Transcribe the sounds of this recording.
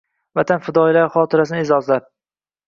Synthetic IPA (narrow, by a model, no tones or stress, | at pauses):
vat̪ʰanfɪd̪ɒjlaɾχɒt̪ʰɪɾasɪnɪzɒzlaɾ